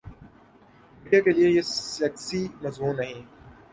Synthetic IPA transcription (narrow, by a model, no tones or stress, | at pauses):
ɪ̃ɖijakeliejeɐksimɐzmuːnːɐɦĩ